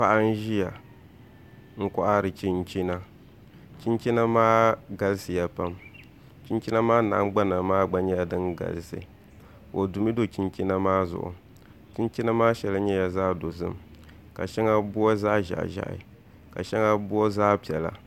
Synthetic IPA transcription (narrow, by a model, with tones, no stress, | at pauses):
pa˦ʔa˦n̩˦ʒi˦ja˨ | ŋ̩˦kɔ˦ʔa˦ɾɨ˨t͡ʃi˦nt͡ʃi˦na˦ | t͡ʃi˦nt͡ʃi˦na˦maː˦ɡa˨lsɨ˨ja˦pa˦m | t͡ʃi˦nt͡ʃi˦na˦maː˦na̰˨˦ŋ͡mɡ͡ba˦na˨maː˦ɡ͡ba˦ɲɛ˦ja˨dɨ˦nɡa̰˨lɨ˨sɨ̰˨ | o˨du˨mi˦do˦t͡ʃi˦nt͡ʃi˦na˦maː˦zʊ̰˨ʔʊ̰˨ | t͡ʃi˦n˦t͡ʃi˦na˦maː˦ʃɛ˨la˦ɲɛ˦ja˨zaː˦do˨zɨ̰˦m | ka̰˨ʃɛ˦ŋa˦bʊ˦ɔ˦zaː˦ʒa̰˨ʔʒa̰˨ʔɪ̰˨ | ka̰˨ʃɛ˦ŋa˦bʊ˦o˦zaː˦pi˨ɛ˨la̰˨